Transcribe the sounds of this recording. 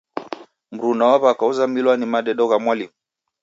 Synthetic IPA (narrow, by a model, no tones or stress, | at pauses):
m̩ɾunawaβakauzamilwanimaɗɛɗɔɣamwalimu